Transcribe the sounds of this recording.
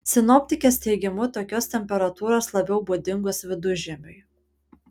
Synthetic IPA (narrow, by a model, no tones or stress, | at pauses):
sʲɪnɔpʲt̪ʲɪkʲeːst̪ʲɛɪɡʲɪmʊt̪oːkʲoːst̪ʲɛmʲpʲɛɾɐt̪uːɾoːslˠɐbʲɛʊbuːd̪ʲɪŋɡoːsʋʲɪd̪ʊʒʲɪmʲʊɪ